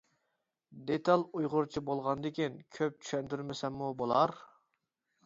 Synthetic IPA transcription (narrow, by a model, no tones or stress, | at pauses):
d̪et̪ʰɑlˠujʁʊɾt͡ʃʰibolˠʁɑnd̪ekʲinkʲʰøp̚t͡ʃʰy̥ʃɛnt̪yɾmɪsɛmːubolˠɑɾ